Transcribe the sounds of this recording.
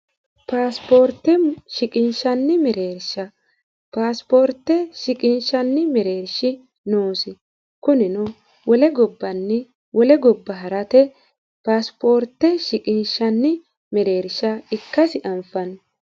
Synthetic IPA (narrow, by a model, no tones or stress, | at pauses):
paːspoːɾt̪ːɛʃɪkʼɪnʃɐnːɪmɛɾe̞ːɾʃɐ | paːspo̞ːɾt̪ːɛʃɪkʼɪnʃɐnːɪmɛɾe̞ːɾʃɪ | noːsɪ | kʊnɪnʊ | wɔlɛɡɔbːɐnːɪ | wɔlɛɡɔbːɐɦɐɾɐt̪ɛ | paːspoːɾt̪ːɛʃɪkʼɪnʃɐnːɪ | mɛɾe̞ːɾʃɐɪkːɐsɪʔɐmfɐn